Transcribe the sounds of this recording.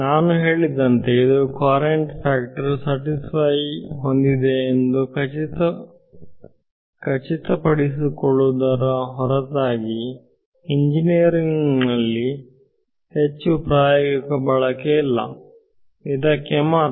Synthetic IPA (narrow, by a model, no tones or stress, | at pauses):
naːnuɦe̞ːɭid̪ɐnt̪e̞id̪ukwaːɾeɳʈpʰaːkʈɐɾsɐʈispʰɐjɦond̪id̪e̞ːnd̪ukɐt͡ʃit̪ɐ | kɐt͡ʃit̪ɐpɐɽis̬ikoɭːud̪ɐɾɐɦɔɾɐt̪aːɡi | iɲd͡ʒinijɐɾiŋnɐlːi | het͡ʃːupɾaːjoɡikɐbɐɭɐkeilːɐ̰ | id̪ɐkːemaːɾ